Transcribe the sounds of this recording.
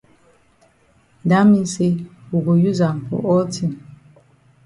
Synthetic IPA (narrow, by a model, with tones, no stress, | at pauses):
da˨˦mi˦se˦u˨ɡo˨ju˦za˨m˨pṵ˦ʔɔ˦ti˦˨m